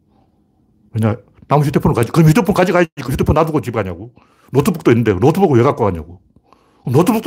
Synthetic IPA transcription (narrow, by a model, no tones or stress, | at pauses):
weɲa | namuɕʰu̥t̪ʰepʰunkad͡ʑikɯɾmɕʰutʰepʰunkad͡ʑiɡajid͡ʑikɯɕʰutʰepʰunaduɡot͡ɕipkaɲiaɡo | notʰɯbuk̚t͈oinːɯndenotʰɯbuɡɯweɡak͈oaɲa̰ɡo | kɯnotʰɯbuk̚t